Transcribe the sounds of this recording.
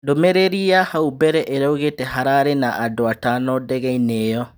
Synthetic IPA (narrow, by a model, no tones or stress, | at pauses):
domeɾeɾiahaubɛɾɛʔeɾaoɣetɛhaɾaɾenaʔadoatanɔdɛɣɛineːjɔ